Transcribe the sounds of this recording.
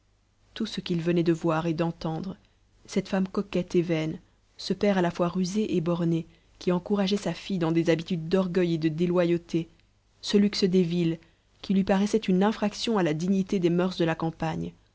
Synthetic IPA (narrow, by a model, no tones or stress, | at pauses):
t̪usəkʲilvənɛd̪əvwaʁed̪ɑ̃t̪ɑ̃d̪ʁ | sɛt̪famkɔkɛt̪evɛn | səpɛʁalafwaʁyzeʔebɔʁne | kʲiɑ̃kuʁaʒɛsafid̪ɑ̃d̪ezabit̪yd̪ːɔʁɡʲœjed̪əd̪elwajot̪ʰe | səlyksəd̪evil | kʲilɥipaʁɛsɛt̪ynɛ̃fχaksjɔ̃alad̪iɲit̪ed̪emœʁsd̪əlakɑ̃paɲ